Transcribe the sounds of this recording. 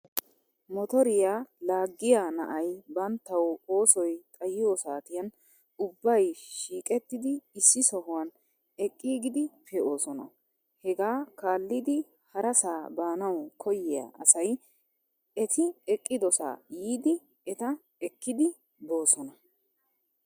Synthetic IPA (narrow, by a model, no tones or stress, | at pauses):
mɔt̪ɔɾɪjaːlaːɡːɪjanɐ̰ʔɐjbɐnt̪ːɐwo̞ːsɔjt̪ʼɐjɪjoːsaːt̪ɪjɐn | ʊbːɐjʃiːkʼɛt̪ːɪd̪ɪɪsːɪsɔɦʊwɐn | ɛkʼːiːɡɪd̪ɪpʰɛo̞ːsɔnɐ̰ | hɛɡaːkaːlːɪd̪ɪ | hɐɾɐsaːbaːnɐwkʰɔjɪja̰ʔɐsɐj | ɛt̪ʰɪɛkʼːɪd̪ɔsa̰ːjiːd̪ɪ | ɛt̪ɐ | ɛkːɪd̪ɪ | bo̞ːsɔnɐ